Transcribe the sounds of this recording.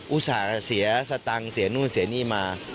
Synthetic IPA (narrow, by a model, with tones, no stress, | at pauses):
ʔu˧˦˥saː˨˩si˩˦ɐsa˧t̪a˧ŋsi˩˦nuː˥˩nsi˨˩˦niː˥˩maː˧